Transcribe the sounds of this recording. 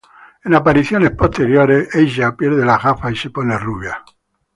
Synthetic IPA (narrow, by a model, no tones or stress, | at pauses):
enapaɾiθjone̞spo̞st̪eɾjoɾeseʒapjeɾð̞elaɣafaisepo̞neruβja